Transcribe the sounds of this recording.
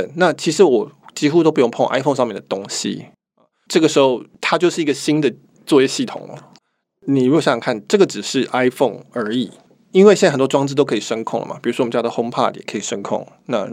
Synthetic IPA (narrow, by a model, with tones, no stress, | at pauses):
ə˩nna˥˨t͡ɕʰi˧˥ʂɻ̩˧˥wɔ˨˩t͡ɕi˥xu˥t̪o˥pu˧jo˥˩˧ŋpʰo˥˩ŋʔa̰˥ɪfo˥˧ŋʂ̬ɑ˥˧mjɛ˥˩nd̪ə˩t̪ʊ˥ŋɕḭ˨˩ | ʈ͡ʂɤ˥˩ɡə˩ʂɻ̩˧˥xo˥˧ʊt̪ʰa˥t͡ɕjo˥˧ʊʂɻ̩˥˩i˧˥ɡə˨ɕi˥nd̪ə˨ | t͡swɔ˥˧jɛ˥˧ɕi˥˩t̪ʰʊ̰˨˩ŋlə̰˦ | ni˨˩ɻu˥o˨˧˩ɕa˥˩ɑ˨˩kʰa˥˩nʈ͡ʂɤ˥˩ɡə˩ʈ͡ʂɻ̩˨˩ʂɻ̩˥˩ʔa˥ɪfɔ˥˩ŋə˞˧˥i˨˩ | i˥nwe˥˩ɕə˨˩t̪wɔ˥wɑ˥ŋt͡s̩˥˧t̪o˥ʊkʰi˨˩ʂə˦nkʰʊ˥˩ŋlə̰˩ma̰˨pi˨˩u˥wɔ˥wm˧˦t͡ɕja˥˩ə˨xo˥ŋpʰa̰˥˧˩t̪jɛ˨˩kʰə˧˥i˨˩ʂə˥nkʰʊ̰˥˩ŋna̰˥˧